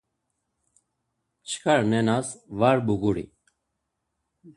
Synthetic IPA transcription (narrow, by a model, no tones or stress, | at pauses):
t͡ʃʰkʰaɾnenasʋaɾbuɡuɽḭ